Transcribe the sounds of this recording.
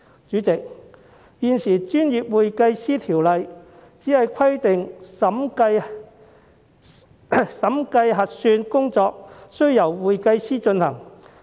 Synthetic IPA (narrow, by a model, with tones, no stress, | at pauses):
t͡ʃyː˨˥t͡sɪ˨k̚ | jiː˨˧nsiː˨˩t͡ʃyː˥njiː˨p̚wuː˨jkɐ˧jsiː˥t̪ʰiː˨˩wlɐ˨jt͡siː˨˥hɐ˨jkʷʰɐ˥jt̪ɪ˨ŋɐ˨˥m˧ | sɐ˨˥mkɐ˧jɦɐ˨t̚syː˧nkʊ˥ŋt͡sɔː˧k̚sɵ˥ɥjɐ˨˩wuː˨jkɐ˧jsiː˥t͡ʃɵ˧nhɐ˨˩ŋ